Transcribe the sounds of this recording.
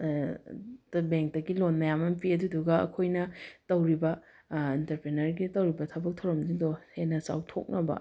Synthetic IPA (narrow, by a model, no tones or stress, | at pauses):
tbeŋk̚dɐɡilonmɐjamɐnpʰiɐduduɡɐɐ̰kʰojnɐtɐwɾibɐ | intɐɾpɾenɐɾɡitɐwɾibɐtʰɐbɐk̚tʰɐwɾɐmdidohenɐsa̰wtʰo̰k̚nɐbɐ̰